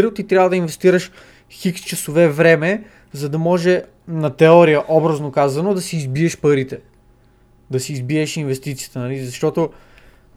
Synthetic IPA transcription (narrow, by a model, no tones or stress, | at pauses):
ɾiʊt̪it̪ɾjavəd̪ɐinvɛst̪iɾəʃ | xikst͡ʃɐsovɛvɾɛmɛ | zɐd̪ɐmɔʒɛ | nɐt̪ɛɔɾijəʔɔbɾɐznokazɐnod̪ɐsiːzbiɛʃpəɾit̪ɛ | d̪ɐsiːzbiɛʃinvɛst̪it̪sijə̥t̪ənɐlizɐʃt̪ɔt̪o